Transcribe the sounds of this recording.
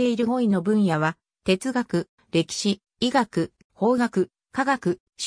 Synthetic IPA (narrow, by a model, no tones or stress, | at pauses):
e̞iɾɯɡo̞ino̞bɯ̟̃ɰ̃jaβa | t̪e̞t͡sɨɡakɯ̟ | ɾe̞kʲi̥ɕi | iɡakɯ̟ | ho̞ːɡakɯ̟ | kaɡakɯ̟ | ɕ